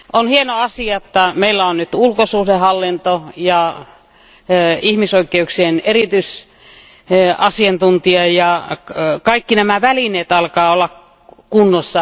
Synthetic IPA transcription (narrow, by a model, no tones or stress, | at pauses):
onhienoɑsiɑet̪ːɑmeilːæonnyt̪ulkosuːdehɑlːint̪ojɑ | ihmisoikːˑeuksienerit̪yis | ɑsiɑnt̪unt̪iɑjɑ | kɑikːinæmæʋælineːt̪ɑlkɑːolːɑk | kunːosːɑ